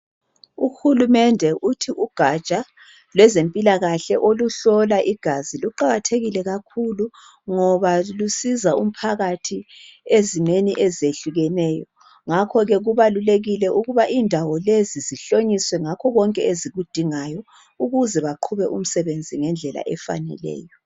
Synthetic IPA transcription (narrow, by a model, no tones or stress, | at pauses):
uxulumɛndʱɛʔutʰiʔuɡ̥ʱḁt͡ʃʼa | lwɛzempʼilaɣaɬɛʔoluɬɔlaʔiɡ̥ʱaziluǃaɣatʰeɣilɛɣakʰulu | ŋɔβalusizaum̩pʰaɣatʰiezineniʔezeɬuɣɛnɛːjɔ | ŋakʰɔɣɛɣuβaluleɣilɛʔuɣuβaʔindʱawɔleziziɬoɲiswɛŋakʰɔɣɔŋkʼɛeziɣud̥ʱiŋajɔ | uɣuzɛβaǃʰuβɛʔum̩sɛβend͡zʱiŋɛnd͡ɮʱɛla̰ʔɛfa̰nɛ̰lɛ̰ːjɔ